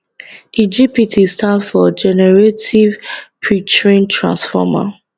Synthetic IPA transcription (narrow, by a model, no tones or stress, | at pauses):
id͡ʒipitʰistãdfɔd͡ʒɛnɛɹetʰivpʰɹit͡ʃɹĩntʰɹã̰nsfɔ̰ma̰